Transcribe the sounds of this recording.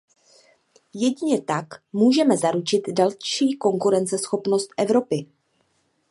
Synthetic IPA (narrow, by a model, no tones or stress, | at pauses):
jɛɟɪɲɛt̪akmuːʒɛmɛzaɾut͡ʃɪt̪dalʃiːko̞ŋkuɾɛnt͡sɛsxo̞pno̞st̪ʔɛvɾo̞pɪ